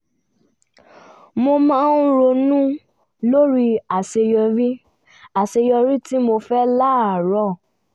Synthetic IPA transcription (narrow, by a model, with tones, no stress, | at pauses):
mo˧mã˦n̩˦ɾo˧nũ˦ | lo˦ɾi˦˧a˨se˧jɔ˧ɾi˦ | a˨se˧jɔ˧ɾi˦ti˦mo˧fɛ˦la˦˨a˨ɾɔ˦˨